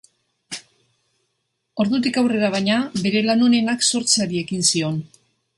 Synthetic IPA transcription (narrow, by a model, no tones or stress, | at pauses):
o̞ɾðut̪̬ikawre̞ɾaβ̞ajɲaβe̞ɾe̞lano̞ne̞nakso̞ɾt͡saɾie̞kinsio̞n